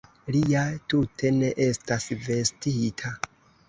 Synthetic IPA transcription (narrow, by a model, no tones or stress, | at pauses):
liatutʰe̞ne̞ʔe̞stasve̞stitʰa